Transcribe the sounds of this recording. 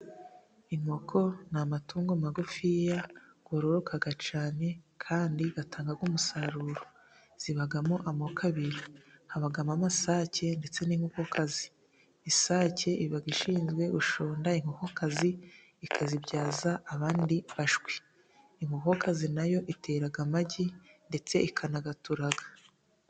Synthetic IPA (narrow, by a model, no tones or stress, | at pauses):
iŋokʰo̞namatuːŋɡomaɡufijaɡ̥oɾoɾokʰaɡat͡ʃaːne̞kʰaːndiɡatʰaːŋɡaɡumusaɾuɾo | z̥iβaɡamoʔamokʰaβiɾiŋhaβaɡamamasaːce̞nde̞t͡se̞niːŋ̥hukokʰaziː | saːce̞iβaɡiʃiːnzɡwe̞ʔuʃoːndaiŋ̥ukokazi | ikʰazibɟaːzaːβaːndiβaʒɡwi | iŋhukokazinajo̞ʔite̞ɾaɡamaɟinde̞t͡se̞ikʰanaɡatuɾaɡḁ